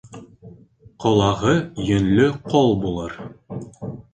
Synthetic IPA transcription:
qɒlˠɑʁɤjɵ̆nlɵqɒlˠbulˠɤɾ

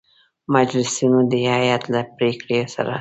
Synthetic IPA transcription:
mad͡ʒlɪsinod̪əhajat̪lapɾekɽijosa̰ɾa̰

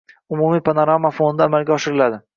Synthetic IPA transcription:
ʊmumijpʰanoɾamːafonɪd̪aːmalɡʲaɒʃɪɾɪlad̪ɪ

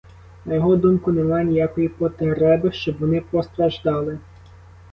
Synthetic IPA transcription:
nɐjɔɦɔd̪umkʊnemɑnʲijakɔjipɔt̪eɾɛbɪʃt͡ʃɔbʋɔnɪpɔst̪ɾɐʒd̪ɑlˠɪ

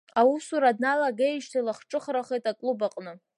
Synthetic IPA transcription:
awusuɾadnalaɡajʃtʰalaχʈ͡ʂʼɨχɾaχejtʼakʼlubaqʼnɨ

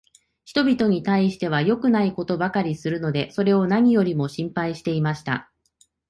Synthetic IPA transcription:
çi̥t̪o̞bʲit̪o̞ɲ̟it̪aiɕi̥t̪e̞β̞ajo̞kɯ̟naiko̞t̪o̞bakaɾʲisɨɾɯ̟no̞d̪e̞so̞ɾe̞o̞naɲ̟ijo̞ɾʲimo̞ɕĩmpaiɕi̥t̪e̞imaɕi̥t̪a̰

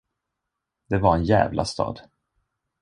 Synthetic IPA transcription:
d̪̥ɛvaɾɛnjɛ̰ːvlʔa̰st̪ɑ̰ːd̪

